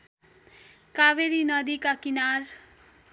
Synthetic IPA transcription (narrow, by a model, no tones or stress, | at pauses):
kaʋeɾinʌd̪ikakinar